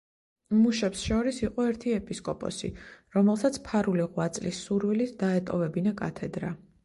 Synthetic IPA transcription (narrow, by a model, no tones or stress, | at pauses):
muʃɛpsʃɔɾisiqʼɔɛɾt̪ʰiɛpʼiskʼɔpʼɔ̰sḭɾɔmɛlˠsat̪sʰpʰaɾuliʁwat̪sʼlisːuɾvilit̪ʰd̪aɛt̪ʼɔvɛbinakʼa̰t̪ʰɛd̪ɾa